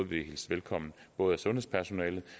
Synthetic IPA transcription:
ðˠʋehilsʋelkʰɒ̽m̰n̩b̥ɔ̽ːð̞̩ˠæsɔ̽nhespʰæɐsonɛːlð̩ˠ

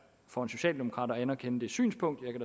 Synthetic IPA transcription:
fɒe̝nso̝ɕɛ̰ːld̥e̝mo̝kʰʁɑ̰̈dɾɒænɐkʰenəd̥e̝sy̰ːnspʰɔ̽ŋ̰d̥jɑ̈kʰæd̥

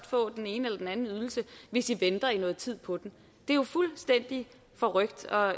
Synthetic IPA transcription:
d̥fɔ̰̽ːd̥ene̝ːnəelɐd̥enænn̩yð̞ˠl̩səʋe̝sd̥iʋend̥ɐinɔ̽ːð̩ˠt͡sʰið̞̰ˠpʰɒ̽d̥em | d̥e̝jofulsd̥en̰d̥i | fɒ̽ʁœɡ̥̚d̥ɒ̽

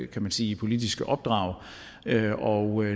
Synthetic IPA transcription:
kʰæmænsiːipʰo̝lid̥isɡ̥əʔɒ̽b̥̚d̥ʁɑ̈ːʊ | øɒʊø

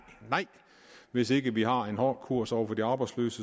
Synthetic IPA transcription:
nɑɪ̰ | ʋe̝se̝ɡ̥əʋiɦɑ̈e̝nɦɒkʰuɐ̰sɒʊɐfɒdiɑ̈ːb̥ɑ̈ɪdslø̰ːsə

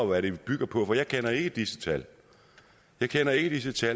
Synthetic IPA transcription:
ɒʋæɾeb̥yɡ̥ɐpʰɒ̽fɒ̽jɑ̈ɪkʰenɐe̝ɡ̥əd̥isət͡sʰæl | jɑ̈ɪkʰenɐe̝ɡ̥əd̥is̬ət͡sʰæl

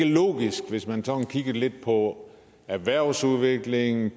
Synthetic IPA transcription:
əlɔ̰ːɡ̥isɡ̥ʋe̝smænsɒ̽n̩kʰiɡ̥ɐle̝d̥̚pʰɒ̽ | æʋæɐ̰suðˠʋe̝ɡ̥le̝ŋn̩

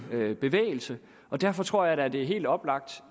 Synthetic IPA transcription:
b̥e̝ʋḛːɪl̩sə | ʔɒ̽d̥æɐfɒ̽t͡sʰʁo̝ɐ̰jɑ̈ɾ̥ææɐd̥e̝æɐɦe̝̰ːld̥ɒ̽b̥lɑ̈ɡ̥̚d̥

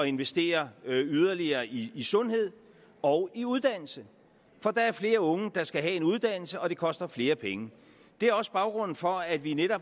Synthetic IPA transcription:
ɒ̽e̝nʋesd̥e̝̰ːɐyð̞ˠɐliɐːiisɔ̽nhe̝ð̞̰ˠ | ɒ̽ʊiuð̞ˠd̥æn̰l̩sə | fɒ̽d̥ɑ̈æɐfle̝ːɐɔ̽ŋəd̥ɑ̈sɡ̥æɦɛe̝nuð̞ˠd̥æn̰l̩səɒ̽ɾ̥e̝kʰɒ̽sd̥ɐfle̝ːɐpʰeŋə | d̥e̝æɐɒ̽səb̥ɑ̈ʊɡ̥ʁɔ̽n̰n̩fɒ̽æd̥ʋineɾɒb̥

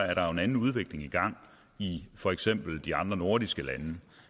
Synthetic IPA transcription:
æɐɾɑ̈e̝nænn̩uð̞ˠʋe̝ɡ̥le̝ŋiɡ̥ɑ̈ŋ̰ | ifɒ̽eɡ̥sem̰b̥l̩d̥iɑ̈nd̥ʁɐno̝ɐɾ̥isɡ̥əlænə

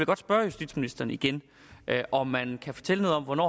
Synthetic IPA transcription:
lɡ̥ɒ̽d̥sb̥ɶːɐjusd̥ḭd̥sminisd̥ɐnəiɡ̥en | ʔʔɒ̽mːænkʰæfɒ̽t͡sʰel̰əno̝ð̩ˠɒ̽m̰ʋɒnɒ̰ː

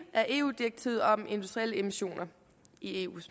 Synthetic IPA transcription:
ʔæɐʔe̝̰ːṵːd̥iɐɡ̥̚t͡sʰḭð̩ˠɒ̽me̝nd̥usd̥ʁieləe̝miɕo̝̰ːnɐ | ie̝̰ːṵːs

